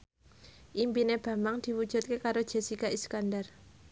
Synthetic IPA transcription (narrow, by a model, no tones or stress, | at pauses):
ʔimpineb̥a̤maŋd̪̥i̤wud̥ʒ̥ṳt̪̚kekaɾod̥ʒ̥a̤sikaʔiskandar